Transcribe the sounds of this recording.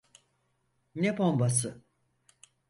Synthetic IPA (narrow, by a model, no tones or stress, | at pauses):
nepombas̬ɯ